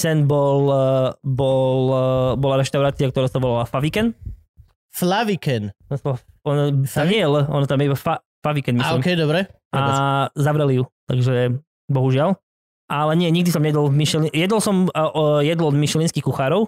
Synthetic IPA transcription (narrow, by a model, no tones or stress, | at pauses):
sɛnbɔl | bɔlbɔlaɾɛʃt̪aʊɾaːt͡siak̚t̪ɔɾaːsaʋɔlalafaʋikɛn | flaʋikɛnɔnsɔaɔnɔt̪amɲɛjɛləɔnɔt̪amjɛibafa | faʋikɛnmilimkɛjd̪ɔbɾɛ | azaʋɾɛlijut̪a̰ɡʒɛ | bɔɦuʒɪal | ʔalɛɲɪɛɲiɡ̚d̪isɔmɲɛɛd̪ɔlmiʃɛlijɛd̪ɔlsɔmʔjɛd̪lɔɔd̪miʃɛlinskixkuxaːɾɔʊ